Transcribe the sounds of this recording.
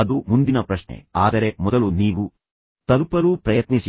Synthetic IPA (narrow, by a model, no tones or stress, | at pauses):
ɐd̪umund̪inɐpɾɐʃnḛaːd̪ɐɾe̞mɔd̪ɐluniːʋu | t̪ɐlupɐɾupɾɐjɐt̪nisi